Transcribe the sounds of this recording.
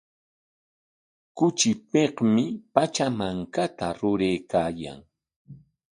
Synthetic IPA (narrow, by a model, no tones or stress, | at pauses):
kʊt͡ʃɪpeqmɪpat͡ʃamaŋkat̪aɾʊɾejkaːja̰ŋ